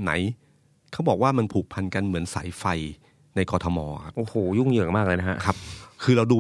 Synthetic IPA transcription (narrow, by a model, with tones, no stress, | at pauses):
na̰˩˦j | kʰa˥˩wbɔː˨˩k̚waː˥˩ma˧npʰuː˨˩k̚pʰa˧nka˧nmɯ˩˦ənsa̰ː˩˦jfa˧j | na˧jkɔː˧t̪ʰɔ˧mɔː˧kʰa˦˥pʔoː˨˩hoː˨˩˦ju˥˩ŋjɯː˨˩əmaː˥˩k̚lɤː˧jna˥ha̰˦˥ʔkʰa˦˥p̚kʰɯː˧ɾa˧wduː˧